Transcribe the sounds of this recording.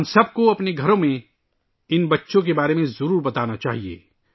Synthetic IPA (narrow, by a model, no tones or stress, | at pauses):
msɐb̚koɐpneɡʱɐɾõmẽ | ɪnbɐtːʃõk̬ebaːɾemẽzɐɾuːɾbɐt̪aːnat͡ʃaːɦiḛː